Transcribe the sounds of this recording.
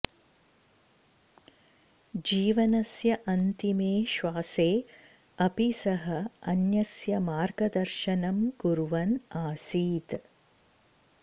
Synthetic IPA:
d͡ʒiːʋɐnɐsjɐʔɐnt̪imeːʃʋaːseː | ɐpisɐɦɐɐnjɐsjɐmaːɾɡɐd̪ɐɾʃɐnɐmɡuɾuʋɐnaːsiːt̪

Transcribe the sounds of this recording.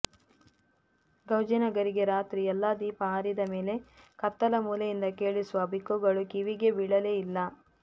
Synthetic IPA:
ɡɐwd͡ʒɐnɐɡɐɾiɡe̞ɾaːt̪ɾiɛlːaːd̪iːpɐaːɾid̪ɐme̞ːle̞kɐt̪ːɐlɐmuːlejind̪ɐke̞ːɭisuʋɐbʱikːuɡɐɭukiʋiɡe̞biɭɐleːilːɐ

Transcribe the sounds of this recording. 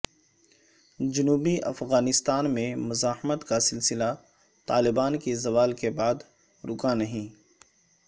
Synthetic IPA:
d͡ʒʊnuːbiʔɐ̰fɣaːnɪst̪aːnmẽmʊzaːhmət̪kasɪlsɪla | t̪aːlɪbaːnkizɐʋaːlkebaːd̪ | ɾʊkãnɐɦĩː

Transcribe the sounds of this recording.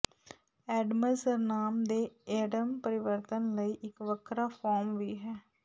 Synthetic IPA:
ɛːɖməsəɾnaːmd̪eːɛːɖəmpəɾɪʋəɾt̪ənləiːʔɪkʋəkʰɾaːpʰɔːɾmʋiːɦɛː

